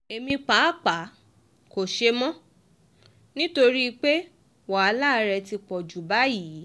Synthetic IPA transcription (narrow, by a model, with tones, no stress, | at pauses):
e˨mĩ˧k͡paː˨˦˨k͡pa˨˦ | ko˨ʃe˧mɔ̃˦ | nĩ˦to˧ɾi˦˧k͡pe˦ | wa˨a˨˧la˦˧ɾɛ˧ti˧k͡pɔ˨d͡ʒu˨˦ba˨˦jiː˨˦